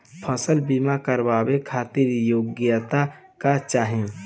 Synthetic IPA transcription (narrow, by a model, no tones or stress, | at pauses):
pʰəsəlbimakəɾbaːbekʰaːt̪ɪɾjoːɡjət̪a | kat͡ʃaːɦẽ